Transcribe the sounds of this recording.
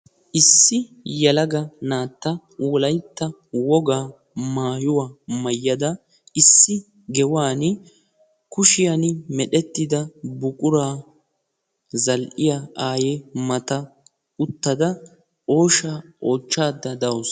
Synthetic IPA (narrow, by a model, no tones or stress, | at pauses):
ʔɪsːɪ | jɐlɐɡɐnaːt̪ːɐ | wɔlɐjt̪ːɐ | wɔɡaː | maːjʊwaːmɐjːɐd̪ɐ | ɪsːɪ | ɡɛwaːn | kʊʃɪjɐnmɛɗɛt̪ːɪd̪ɐbʊkʼʊɾaː | zɐlʔɪjaaːjɛmɐt̪ɐ | ʊt̪ːɐd̪ɐ | ʔo̞ːʃaːʔo̞ːt͡ʃːaːd̪ːɐd̪ɐwɔs